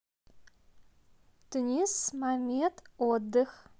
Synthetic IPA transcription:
tʰɨnismametʰʼwɔdɨx

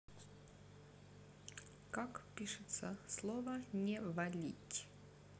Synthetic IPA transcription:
kakpʲiʂɨt̪səslˠɔvənʲɛvɐlʲḭtʲ

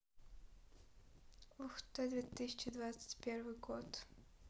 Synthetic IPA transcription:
vʊxt̪ad̪vʲet̪ɨsʲɪt͡ɕɪd̪vat̪sɨ̥tʲpʲervɨjɡot̪

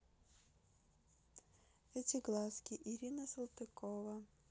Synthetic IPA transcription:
ɛtʲɪɡlˠaskʲɪʔɪɾʲinəsɨlˠt̪ɨkovɐ

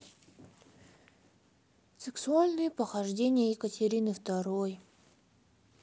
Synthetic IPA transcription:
sɨksʊalʲnɨjəpəxɐʐdʲenʲɪjəɪkətʲɪɾʲinɨft̪ɐɾoj

